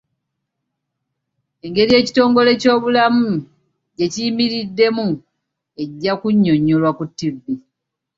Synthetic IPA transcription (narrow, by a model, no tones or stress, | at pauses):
e̞ŋɡe̞ɾije̞ːci̥to̞ːŋɡo̞le̞co̞ːβulamu | ɟe̞cijimiɾidːe̞mu | e̞ɟːakuɲːo̞ɲːolwakutːivːi